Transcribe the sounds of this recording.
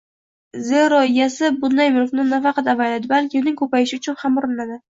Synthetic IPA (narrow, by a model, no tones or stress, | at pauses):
zeɾɒjasɪbʊd̪ːajmɪɾofnɪnafɑqʰɑt̪avajlad̪ɪbalkʲɪnɪŋkʰɵpajɪʃɪʊt͡ʃʰʊnhamʊɾɪnad̪ɪ